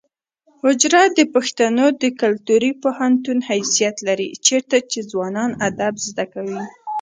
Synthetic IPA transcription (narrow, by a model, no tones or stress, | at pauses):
hʊd͡ʒɾad̪əpaxt̪anod̪əkalt̪uɾipohant̪unhajsijat̪laɾḭt͡ʃeɾt̪at͡ʃezwɑnɑnad̪abzd̪akawi